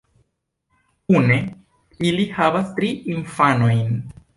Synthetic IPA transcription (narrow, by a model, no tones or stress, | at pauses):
kune̞ | ilihavastɾiinfano̞jn